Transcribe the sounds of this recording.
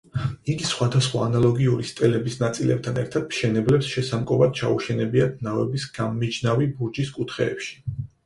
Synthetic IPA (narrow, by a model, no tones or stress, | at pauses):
iɡisχwad̪asχwa̰ːnalˠɔɡiuɾist̪ʼɛlɛbisnat̪sʼilʔɛp̚t̪ʰanɛ̰ɾt̪ʰad̪̥mʃɛnɛblɛpsʃɛsamkʼɔvad̪̥̚t͡ʃʰa̰uʃɛnɛbiat̪ʰnavɛbisɡ̥amːid͡ʒnavibuɾd͡ʒiskʼut̪ʰχɛ̰ːpʃi̥